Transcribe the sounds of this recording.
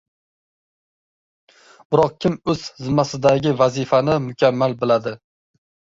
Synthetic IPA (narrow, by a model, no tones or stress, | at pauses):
b̥ɪɾɒq̚kʲɪmɵz̥hɪzɪmːasɪd̪aɡʲɪvazɪfanɪmʊkʲʰamːalbɪlad̪ɪ